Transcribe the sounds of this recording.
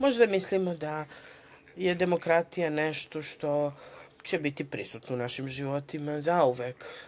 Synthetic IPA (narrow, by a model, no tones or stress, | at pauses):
mo̞ʒd̪amislimo̞d̪a | je̞d̪e̞mo̞kɾat̪ijaneʃt̪o̞ʃt̪o̞t͡ɕebit̪ipɾisut̪nounaʃimʒiʋot̪imazauʋek